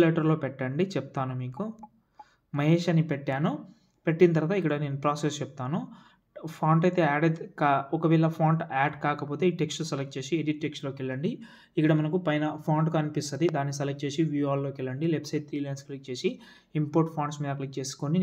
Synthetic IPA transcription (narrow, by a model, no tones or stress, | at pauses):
leʈɐɾlo̞ːpɛʈːɐɳɖit͡ʃɛp̚t̪aːnumiːku | mɐɦe̞ːʂɐnipeʈːaːnu | peʈːinɐt̪̬ɐɾʋaːt̪aikːɐɽɐne̞ːnupɾaːsest͡ʃep̚t̪aːnu | pʰaːɳʈɐjt̪e̞ːaːɖekaːɔkɐʋiːɭːɐpʰaːɳʈaːɖkaːkɐpo̞ːt̪e̞ːiːʈeksʈsɐlɐk̚t͡ʃe̞ːsieɖiʈʈːeksʈlo̞ːkɛɭːɐɳɖi | ikːɐɽɐmɐnɐkupɐjnɐpʰaːɳɖkɐnipist̪ɐd̪id̪aːnːisɐlɐk̚ʈ̚t͡ʃe̞ːsiʋuːaːlːo̞ːkɛɭːɐɳɖilepsɐjʈ̪t̪ʰɾiːlɐjnsklik̚t͡ʃe̞ːsi | impoːɾʈ̚pʰaːɳɖsmiːd̪ɐklik̚t͡ʃe̞ːsu̥koni